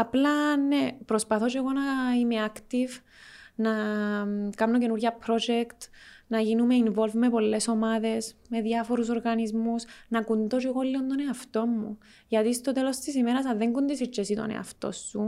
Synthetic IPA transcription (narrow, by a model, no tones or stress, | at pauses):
ɐplɐnːepɾospɐθo̞t͡ʃeɣo̞nɐime̞akt̪iv | na | kamnoce̞nuɾʝɐpɾo̞d͡ʒekt̪nɐʝinume̞invo̞lvme̞po̞lːe̞so̞maðe̞sme̞ðjɐfo̞ɾus̬o̞ɾɣɐnizmusnɐkund̪ot͡ʃeɣolːiond̪oneaft̪o̞mːṵ | ʝɐt̪ist̪o̞t̪e̞lost̪isimeɾɐsaðeŋɡund̪isit͡ʃːesit̪o̰nḛa̰ft̪o̞̰sːu